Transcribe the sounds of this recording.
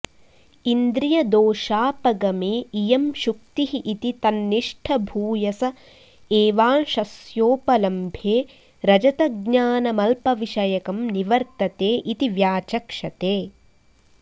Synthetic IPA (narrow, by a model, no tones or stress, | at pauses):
ind̪ɾijɐd̪oːʃaːpɐɡɐmeːijɐmʃuk̚t̪iɦiʔit̪it̪ɐnːiʂʈʰɐbʱuːjɐsɐ | eːʋaːnʃɐsjoːpɐlɐmbʱjeː | ɾɐd͡ʒɐt̪ɐɡ̚ɲaːnɐmɐlpɐʋiʃɐjɐkɐmniʋɐɾt̪ɐt̪eːʔit̪iʋjaːt͡ʃɐkʂɐt̪eː